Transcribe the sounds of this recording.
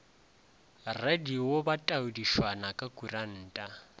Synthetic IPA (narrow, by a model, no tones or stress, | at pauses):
radiwobatʼaʊdiʃwanakʼakʼuran̩ːtʼa